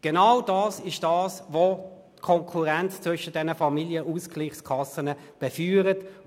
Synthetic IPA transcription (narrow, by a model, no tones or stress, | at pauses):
ɡ̥enawdɑːsɪʃd̥ɑːsvotkʰɔŋkʰuʁɛnt͡st͡sʋʏʃəd̥ɛnəfɑmiljəʔuːskliːχskʰɑsənə | b̥ɛfyːʁət